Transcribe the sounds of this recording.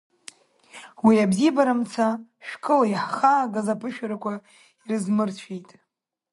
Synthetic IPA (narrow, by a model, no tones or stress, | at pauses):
wiabzibaɾamt͡sʰaʃᶣkʼɨlaiħχaːɡazapʰɨʃᶣaɾakʷʰa | irɨzmɨrt͡ɕʷʰijtʼ